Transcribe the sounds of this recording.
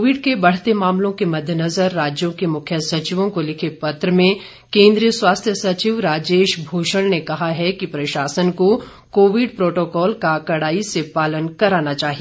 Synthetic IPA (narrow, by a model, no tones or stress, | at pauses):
ʋɪɖkebɐɽ̤t̪emaːmlõkemɐd̪ʱːjənɐzəɾːaːd͡ʒjõkemʊkʰjəsɐt͡ʃɪʋõkolɪkʰepɐt̪ɾəmẽ | kẽːnd̪ɾijəswaːst̪ʰjəsɐt͡ʃiʋɾaːd͡ʒeːʃbʱoːʃəɽnekɐɦaɦɛkipɾɐʃaːsənko | koːʋɪɖpɾoːʈoːkɔːlkakɐɽaːisepaːlənkɐɾaːnat͡ʃaːɦie